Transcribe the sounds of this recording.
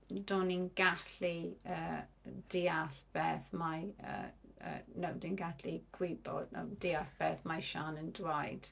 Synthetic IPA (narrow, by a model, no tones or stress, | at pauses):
doːninɡ̥aɬiəːd̥iaɬb̥ɛːθmajə̰ə̰ːnəwdinɡaɬiɡ̥wɪbɔ̰dnə̰wd̥iːaɬb̥ɛːθmajʃaːnəndwajd̥